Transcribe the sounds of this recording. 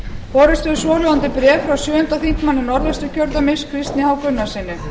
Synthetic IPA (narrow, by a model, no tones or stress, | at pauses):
fɔːɾʏst̪ʏsɔːlɛwant̪ɪpɾɛːffɾawsjʏːʏnt̪aθiŋk̪manːɪnɔɾlɛst̪ʏcʰœɾt̪amɪskʰvɪst̪nɪhawkʏnːḁsɪːnːʏ